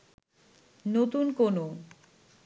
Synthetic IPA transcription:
not̪unkono

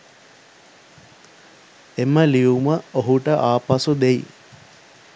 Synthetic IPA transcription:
eməliuməoɦuʈəʔaːpasud̪ei

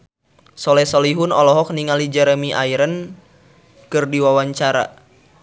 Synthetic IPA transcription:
sɔlɛsɔliɦunɔlɔɦɔk̚niŋalid͡ʒɛɾemiʔaiɾən | kɨrdiwawaɲt͡ʃaɾa̰

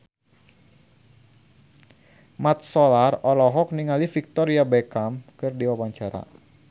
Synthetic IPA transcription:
mat̪̚sɔlarɔlɔɦɔk̚niŋalifik̚t̪ɔɾiabekamkɨrdiwawaɲt͡ʃaɾa̰

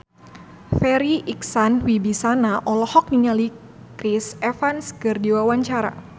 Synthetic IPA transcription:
fɛɾiʔiksanwibisanaʔɔlɔhɔk̚niɲali | kɾisɛfanskɨrdiwawaɲt͡ʃaɾa̰

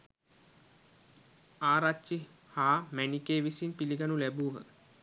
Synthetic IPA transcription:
aːɾat͡ʃːi | haːmænikeːʋisinpiliɡanulæbuːɦə̰

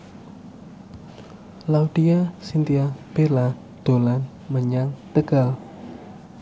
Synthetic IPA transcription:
laud̥iasint̪iab̥ela | d̪̥o̤lan | məɲaŋt̪əɡ̥a̤l

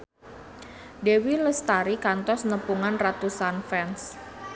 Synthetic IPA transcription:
dewiləst̪aɾikant̪ɔsnəpuŋanrat̪usanfɛns

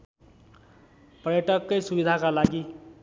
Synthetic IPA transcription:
pʌɾjʌʈʌkːʌjsubid̪ʱakalaɡi

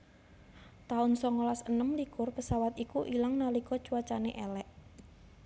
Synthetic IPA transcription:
t̪aʊnsɔŋolasənəmlikʊrpəsawat̪ikuʔilaŋnalikɔ̥t͡ʃuwat͡ʃaneʔɛlɛʔ

